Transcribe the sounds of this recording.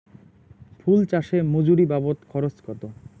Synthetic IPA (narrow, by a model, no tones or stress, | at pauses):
fʰult͡ɕaʃemod͡ʑuɾibabot̪kʰɔɾoskɔt̪o